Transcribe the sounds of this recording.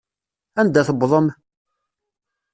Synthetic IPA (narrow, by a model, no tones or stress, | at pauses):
ænd̪æθəbðˤəm